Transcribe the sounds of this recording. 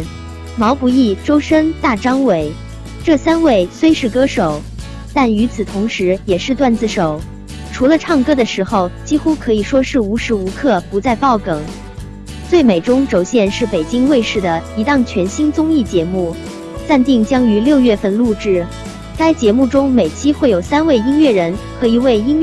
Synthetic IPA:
mɑ˧˥ʊku˧˩i˥˩ʈ͡ʂo˥ʊʂə˥ŋt̪a˥˩ʈ͡ʂɑ˥ŋwe˨˩ɪ | ʈ͡ʂɤ˥˩sa˥nwe˥˩ɪswe˥ɪʂɻ̩˥˩kɤ˥ʂo˨˩˦ʊ | t̪a˥˩ny˧˥t͡sʰɹ̩˨˩t̪ʰʊ˧˥ŋʂɻ̩˧˥jɛ˨˩ʂɻ̩˥˧t̪wa˥˧nt͡sɹ̩˥˩ʂo˨˩˦ʊ | ʈ͡ʂʰu˧˥lə˧ʈ͡ʂʰɑ˥˩ŋkɤ˥d̪ə˨ʂɻ̩˧˥xo˥˧ʊt͡ɕi˥xu˥kʰɤ˧˥i˨˩ʂwɔ˥ʂɻ̩˥˩u˧˥ʂɻ̩˧˥u˧˥kʰɤ˥˩pu˧˥t͡sa˥˧ɪpɑ˥˩ʊkɤ˨˩˦ŋ | t͡swe˥˩ɪme˨˩ɪʈ͡ʂʊ˥ŋʈ͡ʂo˨˩ʊɕjɛ˥˧nʂɻ̩˥˩pe˨˩ɪt͡ɕi˥ŋwe˥˧ɪʂɻ̩˥˩d̪ə˩i˧˥t̪ɑ˥˩ŋt͡ɕʰɥɛ˧˥nɕi˥nt͡sʊ˥ŋi˥˩t͡ɕjɛ˧˥mu˥˩ | t͡sa˥˧nt̪i˥˩ŋt͡ɕjɑ˥ŋy˧˥ljo˥˧ʊɥɛ˥˧fə˥˧nlu˥˧ʈ͡ʂɻ̩˥˩ | ka˥ɪt͡ɕjɛ˧˥mu˥˩ʈ͡ʂʊ˥ŋme˨˩ɪt͡ɕʰi˥xwe˥˩ɪjo˨˩ʊsa˥nwe˥˩ɪi˥nɥɛ˥˩ɻə˧˥nxɤ˧˥i˧˥we˥˩ɪi˥ŋɥ

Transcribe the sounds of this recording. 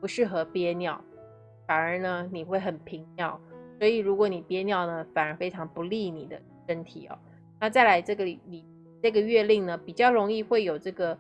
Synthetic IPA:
pu˧˥ʂɻ̩˥˩xɤ˧˥pjɛ˥njɑ˥˩ʊ | fa˨˩nə˞˧˥nə˧ni˨˩xwe˥˩ɪxə˨˩npʰi˧˥ŋnjɑ˥˩ʊswɔ˧˥i˨˩ɻu˧˥kwɔ˧˥ni˨˩pjɛ˥njɑ˥˩ʊnə˩fa˨˩nə˞˧˥fe˥ɪʈ͡ʂʰɑ˧˥ŋpu˧˥li˥˩ni˨˩d̪ə̰˦ | ʂə˥nt̪ʰi˨˩˦ɐ̰˦ | na˥˧t͡sa˥˩ɪla˧˥ɪʈ͡ʂɤ˥˩ɡə˩˨˩li˨˩ | ʈ͡ʂɤ˥˩ɡə˩ɥɛ˥˧li˥˩ŋnə˩pi˨˩t͡ɕjɑ˥˩ʊɻʊ˧˥ŋi˥˧xwe˥˩ɪjo˨˩ʊʈ͡ʂɤ˥˩ɡə˩

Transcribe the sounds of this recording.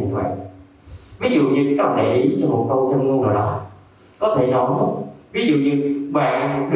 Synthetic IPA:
ka̰ː˧˨ | vi˨˦zṵ˧˨ɲɨ˧kɔ˨˦ɗe˨˩jʔi˨˦t͡ɕɔ˧mo˨˩t̚kə˧wt͡ɕ̪ʰə˧nmu˧nzo˨˩jɗɔ˨˦ | kɔ˨˦t̪ʰe˧˩ɗɔ˨˦ɦə˦˥vi˨˦zṵ˧˨ɲɨ˧ɓa̰ː˧˨nɗɨ˧

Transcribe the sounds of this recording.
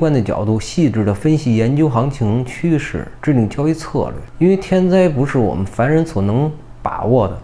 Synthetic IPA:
kwa˥nd̪ə˨t͡ɕjɑ̰˨˩ʊt̪u˥˩ɕi˥˧ʈ͡ʂɻ̩˥˩d̪ə˩fə˥nɕi˧˨˩jɛ˧˥nt͡ɕjo˥ʊxɑ˧˥ŋt͡ɕʰi˧˥ŋt͡ɕʰy˥ʂɻ̩̰˥˩ʈ͡ʂɻ̩˥˧li˥˩ŋt͡ɕjɑ˥ʊi˧˥t͡sʰɤ̰˥˧lɥɛ̰˥˩ɪi˥nwe˥˧ɪt̪ʰjɛ˥nt͡sa˥ɪpu˧˥ʂɻ̩˥˩wɔ̰˨˩mə˦nfa˧˥nɻə˧˥nswɔ˨˩nɤ˧˥ŋ | pa̰˨˩wɔ˥˩d̪ə̰˩

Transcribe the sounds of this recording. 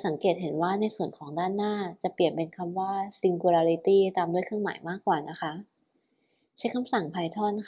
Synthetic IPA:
sa˩˦ŋkeː˨˩t̪̚ɦe˩˦nwaː˥˩na˧jsu˨˩ənkʰɔː˩˦ŋdaː˥˩nːaː˥˩t͡ɕa˨˩pi˨˩ənpe˧nkʰa˧mwaː˥˩si˧ŋku˧laː˧ɾi˦˥t̪iː˥˩t̪aː˧mdu˥˩əjkʰɯ˥˩ŋma̰ː˩˦jmaː˥˩kːwaː˨˩na˦˥kʰa˦˥ʔ | t͡ɕʰa˦˥jkʰa˧msa˨˩ŋpʰaː˧jt̪ʰɔː˥˩t̪̚n˥

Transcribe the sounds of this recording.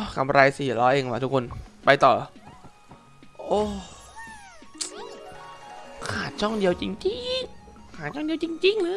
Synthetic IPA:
kʰa˧mɾa˧jsiː˨˩lɔː˨˦˥ʔeː˧ŋwaː˧˦˩t̪ʰu˦kʰo˧npa˧jt̪ɔː˨˩ | ʔoː˧˩˥ | kʰaː˨˩t̪̚t͡ɕʰɔ˥˩ŋdi˧əwt͡ɕi˧ŋt͡ɕi˧ŋkʰaː˨˩ɔ˥˩di˧əwt͡ɕi˧ŋt͡ɕi˧ŋlɯː˧˥

